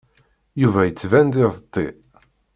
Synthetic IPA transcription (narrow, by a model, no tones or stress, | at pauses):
juvæjət͡sːvænd̪ɪðˤt̪ˤːḭ